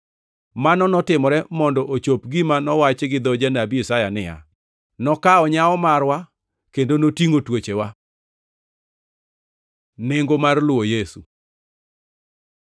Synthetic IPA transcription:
manɔnɔtɪmɔɾɛmɔndɔʔot͡ʃopɡimanɔwat͡ʃɡɪd̪ɔd͡ʒanabiesajanɪja̰ | nɔkaɔɲaɔmarwa | kendonotiŋotwot͡ʃewa | nɪŋɡomarlʊwojesu

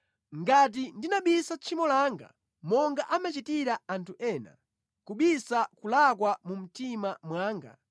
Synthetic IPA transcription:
ŋɡat̬indinaɓisat͡ʃʰimɔlaːŋɡa̰ | mɔŋɡaʔamat͡ʃitiɾaantʰuʔɛːna̰ | kuɓisakulakwamum̩timamwaːŋɡa̰

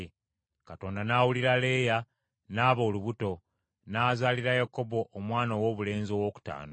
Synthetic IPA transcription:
kato̞ːndanaːwuliɾale̞ːja | naːβo̞ːluβuto̞ | naːzaːliɾajako̞bo̞ʔːmwaːnowoːβule̞ːnzio̞ːwo̞ːku̥ta̰ːno

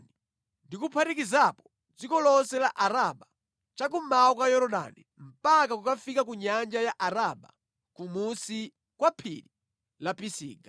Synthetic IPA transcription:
i | ndikupʰaɾikizapɔ̥ | d͡zikɔlɔsɛlaʔaɾaɓa | t͡ʃakumaɔkwajɔɾɔɗa̰ni | m̩pakakukafikakuɲand͡ʒajaʔaɾaɓa̰ | kumusi | kwapʰiɾi | lapisḭːɡa

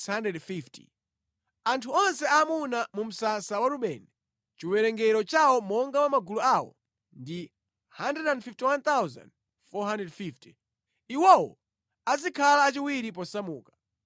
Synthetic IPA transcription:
handɛdfifti̥̰ | antʰuɔnsɛamunamum̩sasawaɾuɓɛnɛ | t͡ʃiwɛɾɛŋɡɛɾɔt͡ʃawɔmɔŋɡawamaɡuluawɔ̰ | ndi | handɛdandfiftiwant̪awza̰nd | fɔɦandɛdfifti̥ | iwɔwɔ̰ | azikʰalaːt͡ʃiwiɾipɔsamuːkḁ

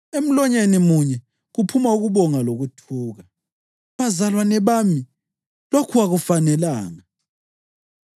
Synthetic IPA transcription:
em̩lɔɲenimuɲɛ | ɣupʰumauɣuβɔŋaloɣutʰuːɣa | βazalwanɛβami | lokʰuwaɣufanɛlaːŋa

